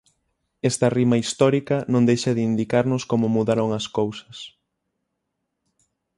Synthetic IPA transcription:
ɛst̪ɐrimɐist̪ɔɾikɐnõŋd̪ejʃɐðɪind̪ikaɾnʊskomʊmuðaɾoŋɐskowsɐ̥s

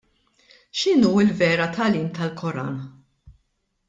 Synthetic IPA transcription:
ʃɪnuːɪlvɛːɾɐt̪ʰɐliːmt̪ɐlkʰɔɾɐ̰ːnɐ

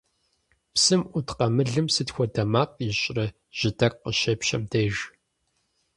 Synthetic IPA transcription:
psɨmʔʷʊtqɐmɨɮɨmsɨtxʷɔdɐmaːqʼiɕʼrɐ | ʒ̥ɪdɐrqəʃɐpʃɐmdeːʒ

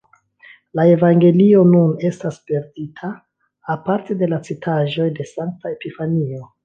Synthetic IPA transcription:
lae̞vaŋɡe̞lio̞nune̞staspe̞ɾditʰaː | paɾte̞de̞lat͡sitʰaʒo̞jde̞saŋk̚taepifanio̞

